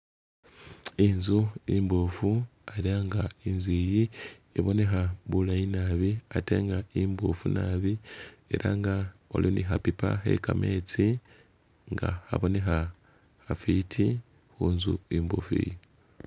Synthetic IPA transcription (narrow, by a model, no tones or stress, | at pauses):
inzuimbufuaɾiaːŋɡainziːjieβo̞ne̞xaβulajinaːβiate̞̰ːŋɡaimbufunaβiḛɾʔaŋɡao̰loniɦapipa̰ɦe̞̰kamʔe̞ːt͡si | ŋɡa̰ha̰βo̞ne̞xa | hafitʰi | huːnzuimbṵfḭːji